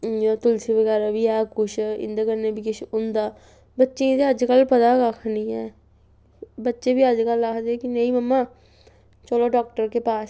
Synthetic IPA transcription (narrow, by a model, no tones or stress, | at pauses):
aːt̪ʊlsiːbəɡɛːɾaːbiːɛːkʊʃɪ̰nd̪aːkəɾneːbʱiːkɪʃʊnd̪aː | bətːʃed̪eəd͡ʒkəlpəd̪aːkakʰnĩːɛː | bətːʃeːbiːəd͡ʒkəlːakʰd̪eːkɪnəĩːməmːaː | t͡ʃoːloːɖɔːk̚ʈəɾkeːpaːs